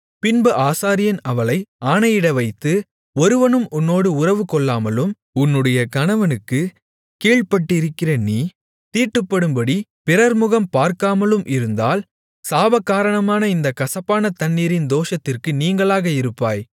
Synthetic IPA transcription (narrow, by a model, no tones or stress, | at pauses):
pɪnbɯʔaːsaːɾɪjɐnɐʋɐɭɐɪaːnɐjɪɽɐʋɐɪt̪ːɯ | ɔɾɯʋɐnɯmʔʊnːoːɽɯʊrɐʋɯkɔɭːaːmɐlɯm | ʊnːɯɽɐjɐkɐnɐʋɐnɯkːɯ | keːɭpɐʈːɪɾɯkːɪrɐniː | t̪iːʈːɯpːɐɽɯmbɐɽipɪɾɐɾmʊɣɐmpaːɾkaːmɐlɯmʔɪɾɯnd̪aːl | saːbɐkːaːɾɐɳɐmaːnɐɪnd̪ɐkɐsɐpːaːnɐt̪ɐnːiːɾɪnd̪oːʂɐt̪ːɪrkɯniːŋɡɐɭaːɣɐɪɾɯpːaːj